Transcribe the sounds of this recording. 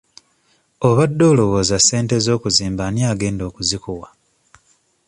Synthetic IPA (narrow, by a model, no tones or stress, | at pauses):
o̞βadːo̞ːlo̞wo̞ːzase̞ːnte̞zo̞ːkuziːmbaniaːɡe̞ːndo̞ːkuzikuwa